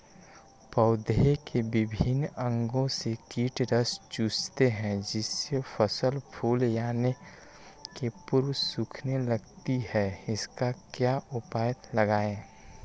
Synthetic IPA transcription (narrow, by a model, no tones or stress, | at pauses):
pəʊd̪ɦekebɪbʱɪnə̃ŋɡõsekiːʈɾəst͡ʃuːst̪eɦɛ̃d͡ʒɪsepʰəsəlpʰuːljaːne | kepʊɾwsʊkʰneləɡt̪ihɛɪskakjaːʔʊpaːjət̪ləɡaːẽː